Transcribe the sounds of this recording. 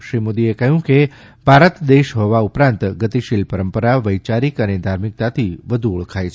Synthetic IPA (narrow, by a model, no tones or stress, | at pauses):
ʃɾimod̪iekəɦjũke | bʱaɾət̪d̪eʃɦɔʋaupɾãnt̪ɡət̪iʃilpəɾəmpəɾaʋəjt͡ʃaɾikəned̪ʱaɾmik̚t̪at̪ʰiʋəd̪ʱuːɭkʰajt͡ʃʰ